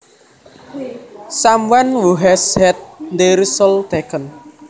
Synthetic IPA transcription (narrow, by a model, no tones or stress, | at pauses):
samwanwuɦɛshɛt̪̚nd̪eɾisəlt̪ekən